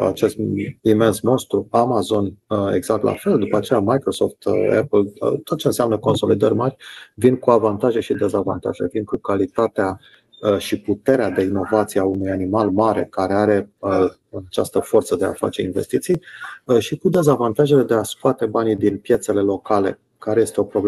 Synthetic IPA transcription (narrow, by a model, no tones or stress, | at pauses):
a̰t͡ʃe̞st̪ime̞nsmo̞nst̪ɾuamazo̞ne̞̰ɡzak̚t̪lʔa̰fe̞ld̪upəat͡ʃe̞jamajkɾo̞so̞̰ft̪ḛplt̪ot̪̚t͡ʃe̞ɨnseamnəko̞nso̞lid̪ərʲmarʲvinkuavant̪aʒe̞ʃid̪e̞zava̰nt̪a̰ʒe̞̰vinkukalit̪at̪ea | ʃiput̪e̞ɾead̪e̞ino̞vat̪sijeaunujanimalmaɾe̞̰kaɾe̞aɾe̞ə | ənat͡ʃast̪əfo̞rt̪səd̪e̞a̰fa̰t͡ʃe̞inve̞̰st̪it̪sijʃikud̪e̞zavant̪aʒe̞le̞d̪e̞askat̪e̞banid̪inpje̞t̪se̞le̞lo̞kale̞̰ | kaɾe̞je̞st̪e̞o̞pɾo̞ble